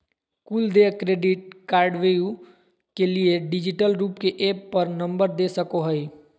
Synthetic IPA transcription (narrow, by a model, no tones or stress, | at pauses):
kuːld̪ekɾeːɖɪʈ̚kaːɾɖʋeːju | kelieɖɪd͡ʒɪʈəlɾuːpkeʔeːpːəɾnə̃mbəɾd̪eːsəkoɦəi